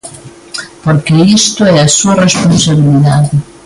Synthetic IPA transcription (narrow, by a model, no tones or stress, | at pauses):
poɾkeist̪ʊɛasuɐresponsaβiliðaðɪ